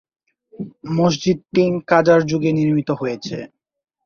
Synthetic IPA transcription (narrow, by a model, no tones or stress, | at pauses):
moʃd͡ʑid̪̚piŋkad͡ʑaɾd͡ʑuɡeniɾmit̪oɦojet͡ɕʰḛ